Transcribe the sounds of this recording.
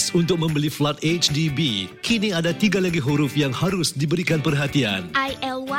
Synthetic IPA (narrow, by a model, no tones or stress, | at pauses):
sunt̪ʊk̚mə̃mbəliflat̪̚et͡ʃdibikʰinĩadat̪iɡalaɡiɦuɾʊfjaŋhaɾʊsdibəɾikanpərɦat̪ia̰najɛlw